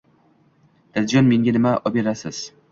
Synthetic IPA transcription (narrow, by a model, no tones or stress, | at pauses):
d̪̥ad̪ɪd͡ʒɒnmeŋɡʲanɪmaʔɒpeɾasɪz̥